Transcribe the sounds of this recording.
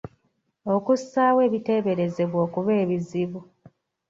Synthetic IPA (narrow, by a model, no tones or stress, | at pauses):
o̞kusːaːwe̞ːβite̞ːβe̞ɾe̞ze̞βwo̞ːkuβe̞ːβiziβu